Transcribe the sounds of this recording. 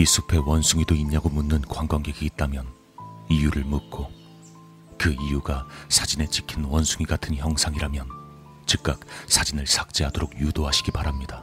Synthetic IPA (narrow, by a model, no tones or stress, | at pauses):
is͈ʰu̥pʰe̞wʌnsʰuŋidoiɲːaɡomunːɯnkwaŋɡwaŋɡe̞ɡiːt̚t͈amjʌn | ijuɾɯɭmut̚k͈o | kɯijuɡasʰad͡ʑine̞t͡ɕi̥kʰinwʌnsʰuŋiɡatʰɯnçjʌŋsʰaŋiɾamjʌn | t͡ɕɯk̚k͈ak̚sʰad͡ʑinɯɭsʰak̚t͡ɕ͈iɦadoɾoɡjudoɦaɕʰiɡibaɾamɲida